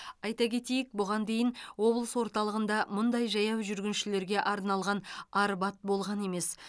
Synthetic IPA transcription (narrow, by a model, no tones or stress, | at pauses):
ɑjt̪ɑkʲe̞t̪ejɪk̚bʊʁɑnd̪e̞jɪnwo̞blˠəswo̞ɾt̪ɑlˠəʁənd̪ɑmʊnd̪ɑjʒɑjɑwʒʏɾɡʲɪnʃɪle̞ɾɡʲe̞ʔɑɾnɑlˠʁɑnɑɾbɑt̪̚bo̞lˠʁɑne̞me̞s